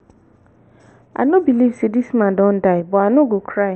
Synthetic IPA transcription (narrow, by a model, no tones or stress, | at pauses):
a̰nʊbilivsedismãdɔ̃n̩daɪbɔanʊɡokʰɾaɪ